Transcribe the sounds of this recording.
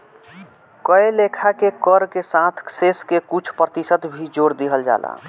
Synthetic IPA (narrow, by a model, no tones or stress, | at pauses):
kəelekʰakekəɾkesãt̪ʰseskekut͡ʃʰpɾət̪isət̪bʱid͡ʒoːɾd̪iɦəld͡ʒa̰ːla̰ː